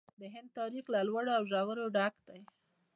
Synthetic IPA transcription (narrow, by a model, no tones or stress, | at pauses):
d̪əɦɪnd̪̚t̪ɑɾixlalwaɽoawʒawəɾoɖakd̪aj